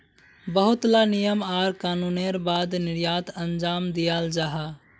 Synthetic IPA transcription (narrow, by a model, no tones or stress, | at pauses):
bəɦʊt̪lanijəmaːɾkaːnuːneɾbaːd̪nɪɾjaːt̪ə̃nd͡ʒaːmd̪ijaːld͡ʒaːɦa